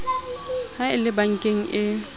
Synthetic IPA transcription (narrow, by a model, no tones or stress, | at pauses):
haɪlɪbaŋ̩kʼeŋ̩ʔɪ